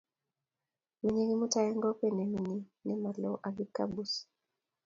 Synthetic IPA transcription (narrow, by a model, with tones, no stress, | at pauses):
mi˨ɲe˦ŋi˦mu˦ta˨ɛ˦ŋɡɔ˦pɛ˦˨nɛ˨mi˨ni˦nɛ˦ma˨lɔ˦ʔa˨vi˦ka̰˦bu˦s